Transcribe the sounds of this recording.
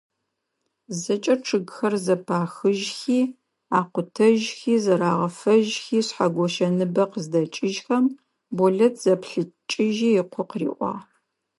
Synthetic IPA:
zɐt͡ʃʼɐʈ͡ʂʰɨɡxɐrzɐpʰaːxɨʒxiː | aːqʷʊtʰɐʒxiːzɐɾaːʁɐfɐʒxiːɕħaɡʷɔʃɐnɨbɐqəzdɐt͡ʃʼɪʒxɐm | bɔɮɐtʰz̥ɐpɬɨt͡ʃʼɪʒiːɪqʷʰʊqrḭːʔʷɑ̰ː

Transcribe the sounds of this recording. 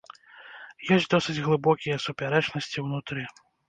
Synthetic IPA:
jɔsʲtʲd̪ɔsɨd͡zʲɣlˠɨbɔkʲijɐsupʲaɾɛt͡ʂnɐsʲt͡sʲiwnut̪ɾɨ

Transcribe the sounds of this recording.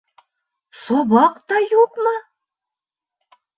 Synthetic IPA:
soβɑqt̪ɑjuqmɤ

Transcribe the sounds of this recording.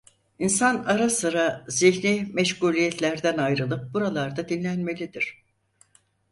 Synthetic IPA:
insanaɾasɯɾaziçnimɛʃkuːlʲijɛt̪ʰlʲæɾd̪ænajɾɯlˠɯp̚buɾalˠaɾd̪ad̪inlʲænme̞lʲid̪iɾ̥

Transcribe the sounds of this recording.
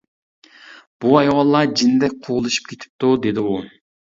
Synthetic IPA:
b̥uɑjwɑlˠːɑd͡ʒind̪ɛk̚ʲqʰoʁʊlˠɨʃi̥p̚kʲʰet̪ʰɪ̥p̚t̪ud̪ed̪ɪu

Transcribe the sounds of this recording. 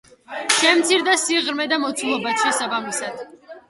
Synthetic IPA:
ʃɛmt̪sʰiɾd̪asiʁɾmɛd̪amɔt̪sʰulˠɔbat̪ʃɛsabamisad̪̥

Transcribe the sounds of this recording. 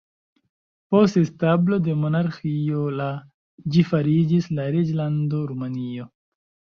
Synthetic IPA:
post̪est̪ablo̞d̪emonaɾxiola | d͡ʒifaɾid͡ʒislaɾid͡ʒland̪oɾumanio

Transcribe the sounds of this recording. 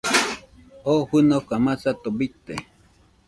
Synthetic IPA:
oʔhɨnokamat͡sat̪obit̪ːe

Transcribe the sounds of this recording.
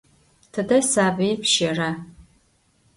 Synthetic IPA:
tʰɨdɐsaːbɐjpʰʃɐra

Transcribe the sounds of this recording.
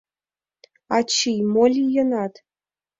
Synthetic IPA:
ɑt͡ɕːijmolʲijɤ̆nɑt̪

